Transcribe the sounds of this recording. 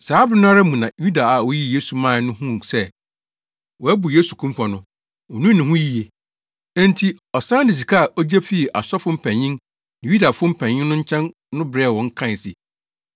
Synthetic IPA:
saː˨˦bɾɪ˦nʊ̃˦a˦ɾa˦mũ˨nã˨ju˦da˨a˨wɔ˦ji˦˨je˦su˨mã˦˨˦nʊ̃˦ɦũ˦˨sɛ˦ | wɔ˨æ˦bu˨jeː˦su˨kʰũ˦m˦fɔ˨nʊ̃˦ | ɔ˨nũ˦nɪ̃˨hʊ̃˦ji˦˨je˨ | ɛ̃˦ntʰi˦ | ɔ˨sã˦dɪ˨s̬i˨kʰa˦˨ʔɔ˦d͡ʑɛ˦fi˦˨ʔa˨sɔ˦fʊ˦m̩˦pʰæ̃˨ɲĩ˦ | nã˨ju˦da˨fʊ˦ʊ̃˦m̩˦pʰɛ̃˨ɲɪ̃˦ŋnʊ̃˦ɲ̩˦t͡ɕʰɛ̃˦n | nʊ̃˦bɾɛː˦˨wɔ̃˨ŋ̩˦kʰã˦˨sɪ˨

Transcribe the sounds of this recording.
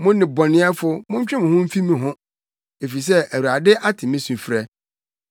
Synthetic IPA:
mʊ̃˦n˦nɪ̃˨bɔ˨nɪ̃˦ɛ˦fʊ˦mʊ̃˦ɲ̩˦t͡ɕᶣɛ̃˦mʊ̃˨hʊ̃˦m̩˦fi˦mĩ˨ɦʊ̃˦ | e˨fi˨s̬ɛ˦æ˨wu˨ɾa˨dɪ˦ʔa˦tʰɪ˨mɪ̃˦sũ˨fi˨ɾɛ˦

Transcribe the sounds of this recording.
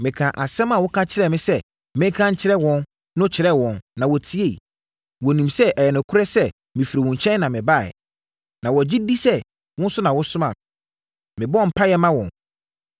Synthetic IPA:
mɪ̃˨kʰã˨ʔa˨sɛ̃˦mã˨wʊ̃˦kʰã˦t͡ɕʰɪ˦ɾɛ˦˨mɪ̃˦sɛ˦ | mɪ̃˦kʰã˦ɲ̩˦t͡ɕʰɪ˦ɾɛ˦wɔ̃˦n | nʊ̃˦t͡ɕʰɪ˨ɾɛ˦wɔ̃˨nnã˨wɔ˨tʰi˦e˦˨ | wɔ˨nĩ˨msɛ˦ʔɛ˨jɛ˨nʊ̃˨kʰʊ˦ɾɛ˦sɛ˦ | mɪ̃˨fi˨ɾe˨wɔ̃˨ɲt͡ɕʰɛ̃˦n˦nã˨mɪ̃˨ba˦˨ɛ̰˨ | nã˨wɔ˨d͡ʑi˦di˦sɛ˦ | wʊ̃˦n̩˦sʊ˦nã˨wʊ̃˦sʊ̃˦mã̰˨ | mɪ̃˨bɔ˦˨m̩˨pʰa˦jɛ˦mã˦wɔ̰̃˨n

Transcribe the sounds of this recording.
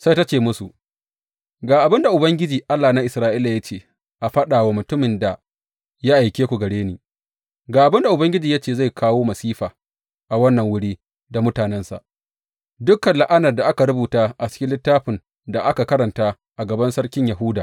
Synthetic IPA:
sa˦jta˦t͡ʃeː˦˨mʊ˦su˨ | ɡaː˨ʔa˨bɪ˦nda˨ʔʊ˨bɐ˦ŋɡʲɪ˦d͡ʒiː˨ʔa˦lːaː˨na˦ʔɪ˨sɾaː˦ʔiː˦la˨ja˦t͡ʃeː˦˨ | ʔa˨ɸɐ˦ɗaː˨waː˦mʊ˨tʊ˦mɪ˨nda˨ | ja˦ʔa˨jkʲeː˦kʷu˨ɡɐ˨ɽeː˦niː˨˦ | ɡaː˨ʔa˨bɪ˦nda˨ʔʊ˨bɐ˦ŋɡʲɪ˦d͡ʒiː˨ja˦t͡ʃeː˦˨za˦˨jkʰaː˦woː˦mɐ˨siː˦ɸaː˨ | ʔa˨wɐ˦nːɐ˨ŋwʊ˦ɽiː˦ | da˨mʊ˦taː˨nɛ˦nsa̰˨ʔ | dʊ˦kːɐ˨nlɪ˦ʔa˦nɐ˨rda˨ʔa˦ka˨ɽʊ˦buː˨taː˦ʔa˨t͡ʃɪ̥˦kʲɪ˦lɪ˦tːaː˦ɸɪ˨n | da˨ʔa˦ka˨kɐ˦ɾɐ˨ntaː˦ | ʔa˨ɡɐ˨bɐ˦nsɐ˦rkʲɪ˦ɲjɐ˨ɦʊː˦daː˨

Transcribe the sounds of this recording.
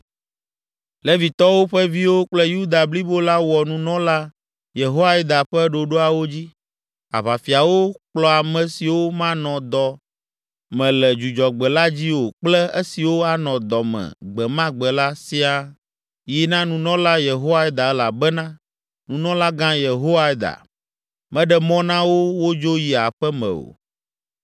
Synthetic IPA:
le˦vi˨t̪ɔ˦wo˦ɸɛ˦vi˦wo˦k͡plɛ˦ju˦d̪a˨bli˦bo˦la˦wɔ˨nũ˦nɔ̃˦la˦ | je˨ɦo˦wa˦ɛ˦d̪a˨ɸɛ˦ɖo˨ɖo˦a˨wo˦d͡ʑi˦ | a̰˨βa˨fi˨a˨wo˦k͡plɔ˦˨a˨mɛ̃˨si˨wo˦mã˦nɔ̃˨d̪ɔ˨ | mɛ̃˨lɛ˨d͡ʒu˨d͡ʒɔ˨ɡ͡bɛ˨la˦d͡ʑi˦wo˨k͡plɛ˦e˦si˨wo˦a˨nɔ̃˨d̪ɔ˨mɛ̰̃˨ɡ͡bɛ˨mã˦ɡ͡bɛ˨la˦si˦a˦ | ji˦nã˦nũ˨nɔ̃˦la˦je˨ɦo˦wa˦ɛ˦d̪a˨˦la˨bɛ˦nã˦ | nũ˨nɔ̃˦la˦ɡã˦je˨ɦo˦wa˦ɛ˦d̪a̰˨ | mɛ̃˦ɖɛ˦mɔ̃˦nã˦wo˦wo˦d͡ʒo˦ji˨a˨ɸɛ˦mɛ̰̃˨o̰˨

